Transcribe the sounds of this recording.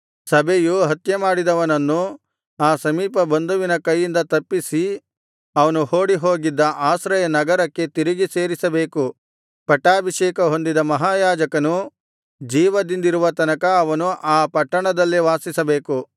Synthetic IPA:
sɐbʱejuɦɐt̪jɐmaːɽid̪ɐʋɐnɐnːu | aːsɐmiːpɐbɐnd̪uʋinɐkɐjːind̪ɐt̪ɐpːisi | ɐʋɐnuhoːɽiɦo̞ːɡid̪ːɐʔaːsɾɐjɐnɐɡɐɾɐkːe̞t̪iɾiɡise̞ːɾisɐbe̞ːku | pɐʈːaːbʱiʃɛːkɐɦo̞nd̪id̪ɐmɐɦaːjaːd͡ʒɐkɐnu | d͡ʒiːʋɐd̪ind̪iɾuʋɐt̪ɐnɐkɐːʋɐnuʔaːpɐʈːɐɳɐd̪ɐlːiʋaːsisɐbe̞ːku

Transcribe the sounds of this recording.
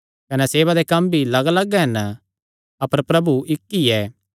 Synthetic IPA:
kɐnɛseːβad̪ekɐmbʱilɐɡlɐɡɛɦɛnə | ɐpəɾpɾɐbuʔɪkːiɛː

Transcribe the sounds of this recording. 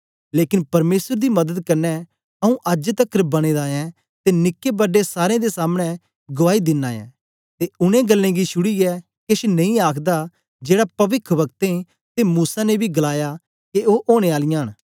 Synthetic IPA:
leːkɪ̃npɐɾmeːsəɾd̪imɐd̪əd̪kɐɾnɛ | ɐũʔəd͡ʒət̪ɐkːɾbɐɽ̃eːd̪aːjɛ̃ | t̪enɪkːebɐɖesaːɾẽd̪esaːmɽ̃ɛ | ɡʊʋaːid̪ɪnːaːjɛ̰̃ː | t̪eʊñẽɡɐlːẽːɡiʃʰʊɽijɛ | kɪʃnɐ̃ĩaːkʰd̪a | d͡ʒeːɽapɐʋɪkʰʋɐk̚t̪ẽ | t̪emuːsanebʱiɡɐlaːja | keoːʔoːɽ̃eaːlɪjãɦən

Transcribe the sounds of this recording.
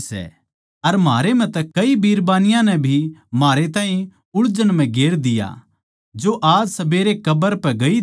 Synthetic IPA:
sɛ̰ | ɐɾmaːɾem̤ɛ̃t̪ɛkɐibiːɾbaːnɪjãnɛbʱimaːɾet̪ãːĩ | ʊɽd͡ʒənm̤ɛ̃ɡeːɾd̪ɪja̰ | d͡ʒoʔaːd͡ʒsɐbeːɾekɐbəɾpɛɡɐi

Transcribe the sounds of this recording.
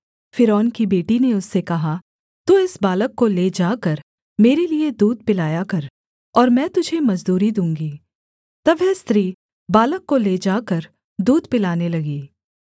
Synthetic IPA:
fɪɾɔːnkibeːʈineʊsːekɐɦa | t̪uːɪsbaːləkːoleːd͡ʒaːkɐɾ | meːɾelied̪uːd̪̚pɪlaːjakɐɾ | ɔːɾmɛ̃ːt̪ʊd͡ʒʱemɐzd̪uːɾid̪ũːŋɡiː | t̪ɐbʋɛst̪ɾiː | baːləkːoleːd͡ʒaːkɐɾ | d̪uːd̪pɪlaːnelɐɡiː

